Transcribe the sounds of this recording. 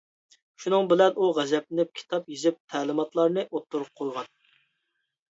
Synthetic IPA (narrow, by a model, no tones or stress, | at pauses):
ʃunɨŋbɪlɛnʔuʁɛzɛp̚ɪnɪp̚kʲʰi̥t̪ʰɑpjizɪp̚t̪ʰæːlˠɨmɑt̪lˠɑɾnɨʔot̪ʰːuɾup̚qʰojʁɑn